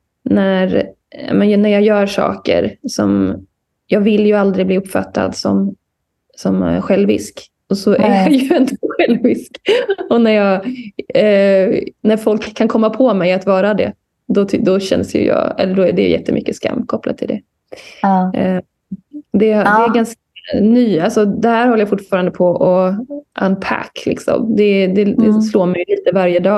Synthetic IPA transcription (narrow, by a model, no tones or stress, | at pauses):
næɾ | a̰mɛnjnːæɾjɑːjœːɾʂɑ̰ːkə̰ɾsɔm | jɑːɡvɪlːjɵald̪ɾɪɡbliːɵpːfa̰t̪ʰːa̰d̪sɔm | sɔmɧɛlːvɪ̰sk | ɔsɔʔæjɑjɛnd̪ɔɧɛlvvɪskɔnæɾjɑːɡ | næɾfɔlkʰːankʰɔmːapʰɔmɛjat̪vɑːɾad̪ɛ̰ | d̪ɔd̪ɔɕɛ̰nsjʉ̰jɑ̰ːɛ̰lːəɖɔæɖɛ̰j̰jɛ̰t̪ːəmʔʏ̰kːəska̰mːkʰɔpːla̰d̪t̪ʰɪld̪ɛ̰ | d̪ɛd̪ɛæɡanskanyːalsɔd̪ɛhæːɾhɔlːəjafʊʈːfɑːɾand̪əpʰɔʔɔʔa̰nːpʰæ̰kːlɪksɔ̰md̪ɛd̪ɛd̪ɛsloːɾmɛjɵliːt̪əvaɾjəd̪ɑː